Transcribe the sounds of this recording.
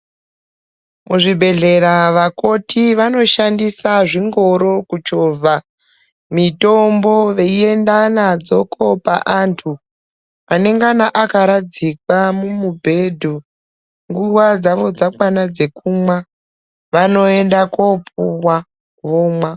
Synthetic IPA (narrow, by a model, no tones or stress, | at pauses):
muʐibʱe̞ɮe̞ɾaʋako̞tiʋano̞ʃandisaʐiŋɡo̞ɾo̞kut͡ʃoːvʱa | mitombo̞ʋe̞ie̞ndanad͡zo̞kʰo̞pa̰ʔantʰu | ane̞ŋɡanaʔakaɾad͡zikwamumubʱe̞dʱu | ŋɡuʋad͡zaʋo̞d͡zakwanad͡ze̞kumwa | ʋano̞e̞ndakopuwa | ʋoːmwa